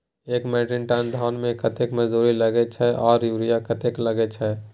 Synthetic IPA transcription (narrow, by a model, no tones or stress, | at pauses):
eːkmɛːʈɪɳʈaːnd̪ʱɔːnmẽkət̪ekməd͡ʒzuːɾiləɡet͡ʃʰɛʔɔːɾjuːɾijakət̪ekləɡet͡ʃʰɛ